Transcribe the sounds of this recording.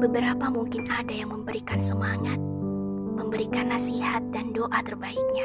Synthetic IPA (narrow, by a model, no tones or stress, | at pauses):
bəbəɾapamuŋkɪnadajaŋməmbəɾikansəmaŋat̪̚məmbəɾikanːasiɦat̪̚dandoʔat̪ərbaik̚ɲa